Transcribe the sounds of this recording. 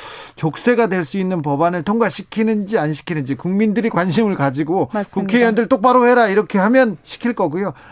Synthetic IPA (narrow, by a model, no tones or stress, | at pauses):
t͡ɕok̚s͈e̞ɡadwe̞ɭs͈uinːɯnpʌbanɯɭtʰoŋɡaɕʰikʰinɯnd͡ʑianɕʰi̥kʰinɯnd͡ʑikuŋmindɯɾikwanɕ̬ʰimɯɭkad͡ʑiɡokukʰejʌndɯɭt͈ok̚p͈aɾohe̞ɾaiɾʌkʰe̞ɦhamjʌnɕʰi̥kʰiɭk͈ʌɡujo